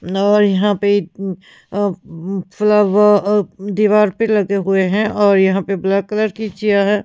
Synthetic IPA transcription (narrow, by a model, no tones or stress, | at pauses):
ɔːɾjɐɦãpei | fɪləb | d̪iːʋaːɾpelɐɡeɦʊeɦɛ̃ʔɔːɾjɐɦãpeblɛːkːələɾkit͡ʃijaɦɛ̃ː